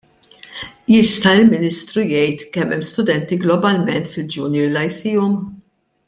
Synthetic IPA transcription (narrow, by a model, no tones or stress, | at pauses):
jɪst̪ɐɪlmɪniːst̪ɾujɛjt̪kɛmːɛmːst̪ʊd̪ɛnt̪iɡlɔbɐlmɛnt̪fɪld͡ʒuːniɾlɐjsiːɔm